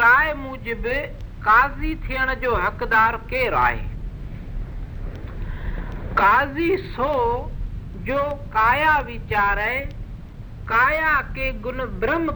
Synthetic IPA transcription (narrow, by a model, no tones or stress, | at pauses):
ɾaːemʊ̃ːd͡ʑɪbɪkaːzit̪ʰijəɽ̃d͡ʑoːɦəkd̪aːɾkeːɾa̰ːɦḛː | kaːzisoː | d͡ʑoːkaːjaːʋiːt͡ʃaːɾɛe | kaːjaːkeːɡʊnbɾəm